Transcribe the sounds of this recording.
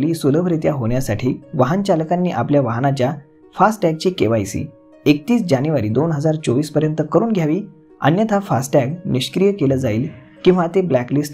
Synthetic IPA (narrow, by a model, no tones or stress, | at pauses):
liːsuləbʱɾet̪jaɦoɳ̃jasaʈʰiːʋaɦənt͡ɕaləkanːiːʔapljaʋaɦnat͡ɕja | fasʈʈɛɡ̚t͡ɕikḛʋajsḭ | ek̚t̪iːsd͡ʑanjuʋaɾiːd̪onɦəd͡zaɾt͡soʋiːspəɾjənt̪əkəɾuːnɡʱjaʋiː | ə̰njət̪ʰafasʈʈæɡniɕkɾijəkeləd͡zaiːl | kĩw̃ʋat̪eblæklisʈ